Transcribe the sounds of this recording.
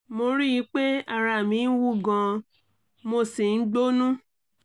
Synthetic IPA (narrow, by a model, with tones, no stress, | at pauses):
mo˧ɾi˦ji˧˦k͡pe˦a˨ɾa˧˨mĩ˧n̩˦wu˦ɡã˧ | mo˧si˨n̩˦ɡ͡bo˦nũ˦